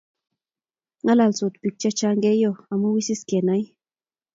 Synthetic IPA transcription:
ŋala˨lt͡su˨t̪pik̚t͡ʃat͡ʃaŋɡe˦joa˨mu˦wisi˦ske˨na˦j

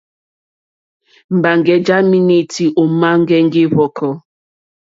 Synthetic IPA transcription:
m̩˨ba˨ŋ˨ɡɛ˨d͡ʒa˦mi˦ni˨ti˨ʔo˨ma˦ŋ̩˦ɡɛ˦ŋ̩˦ɡi˦βɔ˨kʰɔ˦

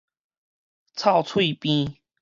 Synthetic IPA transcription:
t͡sʰɑ˥˧ʊt͡sʰwi˥˧pĩ˦

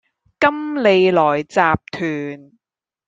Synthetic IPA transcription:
kɐ˥mle˨˧jlɔː˨˩jt͡saː˨p̚t̪ʰyː˨˩n

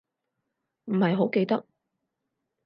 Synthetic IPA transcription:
m̩˨˩hɐ˨jɦo˨˥wke˧jt̪ɐ˥k̚

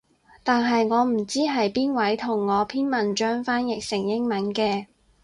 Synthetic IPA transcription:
t̪aː˨nɦɐ˨jŋɔː˨˧m̩˨˩t͡siː˥ɦɐ˨jpiː˥nwɐ˨˥jt̪ʰʊ˨˩ŋːɔː˨˧pʰiː˥nmɐ˨nt͡ʃœː˥ŋfaː˥njɪ˨k̚sɪ˨˩ŋjɪ˥ŋmɐ˨˥nkɛː˧

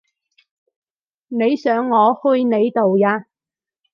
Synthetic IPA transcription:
ne˨˧jsœː˨˥ŋːɔː˨˧hɵ˥jne˨˧jt̪o˨wjaː˧

